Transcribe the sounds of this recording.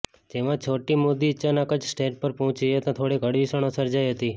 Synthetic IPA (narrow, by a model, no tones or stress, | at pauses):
d͡ʒemãt͡ʃʰoʈimod̪iːtːʃʰanakəd͡ʒsʈeʈ̚pəɾpɔɦʊ̃t͡ʃiet̪õt̪ʰoɽeɡʱəɽʋisəɽ̃õsəɾd͡ʒajɦət̪i